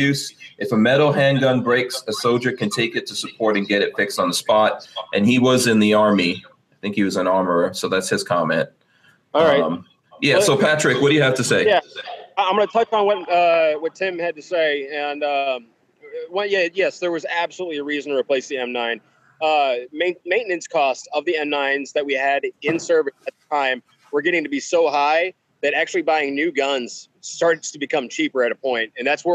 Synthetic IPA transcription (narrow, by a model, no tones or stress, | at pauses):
ʉsʔɨfəmɛɾl̩ˠɦæ̃nɡʌ̃nbɹeɪksɨsoʊlˠd͡ʒə˞kʰɨ̃ntʰeɪkɨtʰɨsəpʰɔɹɾɨ̃nɡɛɾɨtfɪkstn̩ðəspɑɾʔɨ̃niwʌzɨ̃nðiɑɹmi | aɪθɪ̃ŋkhiwʌzə̃nɑɹmə˞əsoʊðætshɨz̥kʰɑmɛ̰̃nt̚ | ɹaɪ̃m | jæssoʊpʰæt͡ʃɹ̥ɨkwʌt̚d̥ɨjɨhæftɨseɪæãɪ̃mɡʌ̃nətʰʌt͡ʃn̩wʌt̚ʌwʌtʰɪ̃mɨd̚tɨseɪɨ̃nʌ | wʌ̃jæjɛsðə˞wʌzæb̥səlutˡliɨɹizn̩ə˞ɨpʰl̥eɪsðiɛ̃mnãɪ̃n | ʌmẽɪ̃nmẽɪ̃nɨ̃nskʰɔstʌvðiɛ̃mnãɪ̃nzðɨt̚wiɨɾɪ̃nsɜ˞vɨsɨt̪̚ðətʰãɪ̃m | wə˞ɡɛɾɪ̃ŋtʰɨbisoʊɦaɪ | ðɨɾæk̚t͡ʃʉl̩ˠibaɪɪ̃ŋnʉɡʌ̃nz̥ | stɑɹɾɨdz̥tʰəbɨkʰʌ̃mt͡ʃʰipə˞ɨɾəpʰɔ̃ɪ̃nt̚ɨ̃nðætswə˞